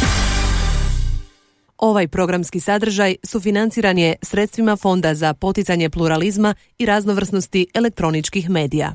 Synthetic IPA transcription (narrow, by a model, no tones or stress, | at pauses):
o̞ʋajpɾo̞ɡɾamskisad̪r̩ʒajsufinant̪siːɾanijesɾe̞t̪st̪ʋimafo̞nd̪azapo̞t̪it̪saɲe̞pluɾalizma | iɾazno̞ʋr̩sno̞st̪iele̞k̚t̪ɾo̞nit͡ʃkixme̞ːd̪ija̰